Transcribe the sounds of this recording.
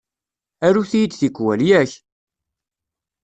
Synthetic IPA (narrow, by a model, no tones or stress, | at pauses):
æɾuθijid̪θikːwæljæç